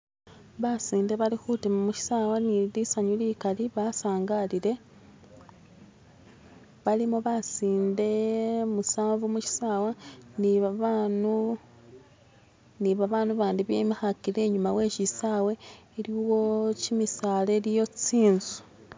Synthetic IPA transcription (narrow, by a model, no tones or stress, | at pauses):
βasiːnde̞βalixutimumuʃi̥saːwanilisaɲulikaliβasaːŋɡaliɾe̞ | βalimoβasiːnde̞musaːɱvumuʃi̥saːwaniβaβanu | niβaβaːnuβaːndiβjemixakiɾe̞ːɲumawe̞ːʃisawe̞ː | ɾiwocimisaːle̞lijo̞t͡siːnzu̥